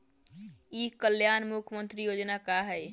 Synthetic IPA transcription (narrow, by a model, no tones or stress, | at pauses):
ikəljaːnmukʰəmənt̪ɾijod͡ʒnakaɦɛj